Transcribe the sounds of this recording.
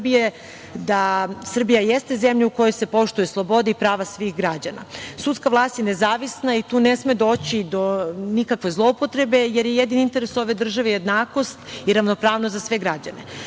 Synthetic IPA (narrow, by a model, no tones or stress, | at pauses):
bije | d̪asr̩bijajest̪e̞zemʎuuko̞jojse̞po̞ʃt̪ujeslˠo̞bo̞d̪ipɾaːʋasʋixɡɾad͡ʑana̰sut̪skaʋlˠaːst̪jenezaːʋisnait̪uːnesmed̪o̞ːt͡ɕid̪o̞nikakʋe̞zlˠo̞upo̞t̪ɾe̞be̞jeɾjejed̪inint̪e̞ɾeso̞ʋe̞d̪r̩ʒaʋejed̪naːko̞st̪iɾaʋno̞pɾaːʋnost̪zasʋe̞ɡɾad͡ʑane̞